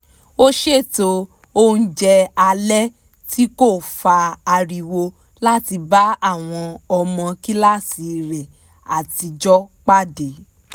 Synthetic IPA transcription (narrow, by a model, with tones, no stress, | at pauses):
o˦ʃe˦˨to˧ | o˦n̩˦d͡ʒɛ˧a˧lɛ˦ | ti˦ko˦˨fa˧a˧ɾi˧wo˧ | la˦ti˧ba˨˦a˦˨w̃ɔ̃˧ɔ˧mɔ̃˧ki˦la˦ti˧ɾɛ˨ | a̰˨ti˧d͡ʒɔ˦k͡pa˦˨de˨˦